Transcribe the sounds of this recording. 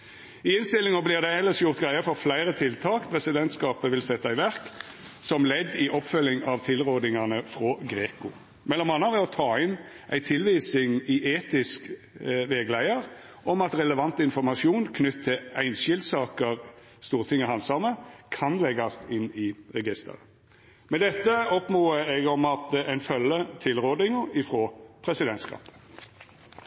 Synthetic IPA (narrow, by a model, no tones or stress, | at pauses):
ɪɪnst̪ɪlːɪŋəblɪʁd̪æhɛlːəʂjʊʁt̪ɡʁæɪəfɔʁflæɪʁət̪ʰɪlt̪ʰɑːkpʰʁɛsɪd̪ɛnt̪skɑːpəʋɪlsɛt̪ːɑɪʋæʁk | sɔmlɛd̪ːɪʔɔpfœlːɪŋɑʋt̪ʰɪlʁoːd̪ɪŋɑnəfʁɔɡɾeːkʊ | mɛlːɔmhɑnːɑʋɛɔt̪ʰɑːɪn | ʔæɪt̪ʰɪlʋiːsɪŋɪʔeːt̪ɪsk | ʋɛɡlæɪəʁ | ʔɔmɑt̪ɾɛləʋɑnt̪əɪnfɔmɑʃɪuːnkʰnʏt̪ʰːɪlæɪnʃɪld̪sɑːkəʁ | st̪uːʁt̪ʰɪŋːəhɑnsɑməkʰɑnlɛɡɑst̪ɪnɪʁɛɡɪst̪ʰə̰ɾə | mɛd̪ɛt̪ːəɔpmoːəɛɡɔmɑt̪æɪnfœlːət̪ʰɪlʁoːd̪ɪŋəɪfɾoːpʰʁɛsɪd̪ɛnt̪skʰɑ̰ːpə̥